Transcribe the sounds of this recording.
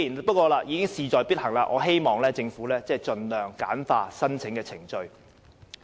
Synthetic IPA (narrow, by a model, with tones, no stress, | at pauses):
ji˨˩n˥˩pɐ˥t̚kʷɔː˧laː˧jiː˨˧kɪ˥ŋsiː˨˩t͡ʃɔː˨jpiː˥t̚hɐ˨˩ŋlaː˧ʔɔː˨˧ɦe˥jmɔː˨ŋlɛː˥t͡sɪ˧ŋfuː˨˥lɛː˥t͡sɛː˥˨˩jt͡ʃɵ˨nlœː˨˩ŋkaː˨˥nfaː˧sɐ˥nt͡sʰɪ˨˥ŋkɛː˧t͡sʰɪ˨˩ŋt͡ʃɵ˧ɥ